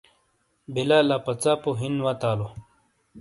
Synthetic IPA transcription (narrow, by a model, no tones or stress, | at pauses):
bilaːlapɐt͡saːpoɦinwat̪aːlo